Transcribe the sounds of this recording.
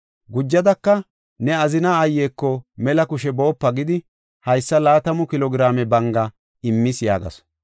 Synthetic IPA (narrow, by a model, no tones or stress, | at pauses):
ɡʊd͡ʒːɐd̪ɐkːɐ | nɛɐzɪnaɐjːeːkːɔmɛlɐkʊʃɛbo̞ːpːɐɡɪd̪ɪ | hɐjsːɐlaːt̪ɐmʊkɪlɔɡɪɾaːmɛbɐŋɡɐ | ɪmːɪsja̰ːɡɐ̰s